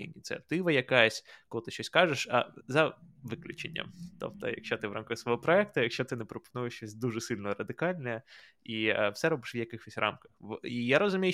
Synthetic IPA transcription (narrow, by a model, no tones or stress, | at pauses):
ḭnʲit̪sʲiɐt̪ɪʋɐjɐkajɐsʲkɔlˠɪt̪ɪʃt͡ʃɔsʲkɑʒeʃɐ̰zɐʋɪklʲʊ̰t͡ʃenʲːɐ̰mt̪ɔ̰p̚t̪ɔ̰jɐ̰kʃʲt͡ʃɔt̪ɪʋɾɑmkɐxsʋɔɦɔpɾɔɛk̚t̪ʊjɐkʃʲt͡ʃɔt̪ɪnɛpɾɔpɔ̥nujɪʃt͡ʃɔsʲd̪uʐɛsɪlʲnɔɔɾɐd̪ɪkɑlʲnɛɛ | ifsɛɾɔbɪʃʋjɐkɪxɔsʲrʔɑ̰mkɐ̥xʋijaɾɔzʊmʲij